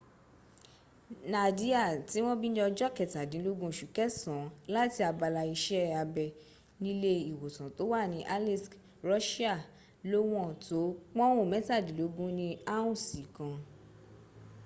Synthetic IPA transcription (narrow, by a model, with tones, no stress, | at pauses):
na˨di˦a˦˨ti˨˦w̃ɔ̃˦bi˦nĩ˦ɔ˧d͡ʒɔ˦kɛ˨ta˨dĩ˨˦lo˦ɡũ˦˨ʃu˨kɛ˦sã˨˦la˦ti˧˦a˧ba˧la˧i˧ʃɛ˦a˧bɛ˧ | nĩ˦le˧i˨wo˨tã˨to˨˦wa˦˨nĩ˨˦ʔa˦li˦sk | ɾɔ˦ʃi˦a˦˨ | lo˦w̃ɔ̃˦˨to˨˦k͡pɔ̃˦o˦˨mɛ̃˨˦ta˦˨dĩ˨˦lo˨˧˦ɡũ˦nĩ˧a˦ũ˦˨sĩ˨kã˧